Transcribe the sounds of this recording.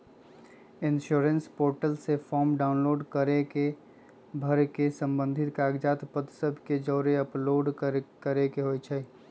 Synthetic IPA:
ɪnʃoːɾenspoːɾʈəlsepʰɔːɾmɖaːʊnloːɖkəɾeke | bʱəɾkesə̃mbə̃nd̪ʱɪt̪kaːɡd͡ʒaːt̪pəd̪səbʱked͡ʒɔːɾeəploːɖkəɾekeɦoit͡ʃʰɛ

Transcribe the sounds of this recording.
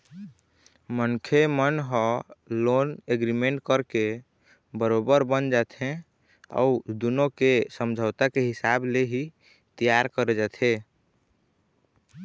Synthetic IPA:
mənkʰemənɦɔ̃loneɡɾimeɳʈ̚kəɾke | bəɾobəɾbənd͡ʒat̪ʰɦẽ | ɔ̰ud̪unokesəmd͡ʒʱəːt̪akeɦisableɦi | t̪ijaɾkəɾed͡ʒat̪ʰe

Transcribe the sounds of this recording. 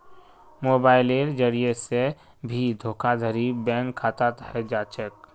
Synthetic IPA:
moːbaːɪleːɾd͡ʒəɾiese | bʱid̪ʱoːkʰad̪ʱəɾibbɛ̃ːŋkʰːaːt̪at̪əɦɛd͡ʒaːt͡ʃək̚

